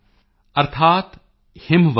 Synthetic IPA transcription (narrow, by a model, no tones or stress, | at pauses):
ɐɾt̪ʰaːt̪ | hɪmʋ